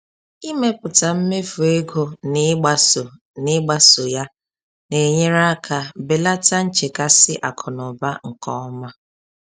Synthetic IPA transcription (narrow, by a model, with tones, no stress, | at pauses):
i˦me˦pʊ˨ta˨m̩˦me˦fu˨e˦ɡo˨nɪ˦ɡ͡ba˨so˨ | nɪ˦ɡ͡ba˦so˨ja˦ | ne˨ɲe˦ɾa˦kʰa˨be˨la˦ta˦n̩˦t͡ʃe˨ka˦sɪ˦ʔa˨kʰɔ˨nɔ˨ba˦ŋ̩˨kɔ˦ma˦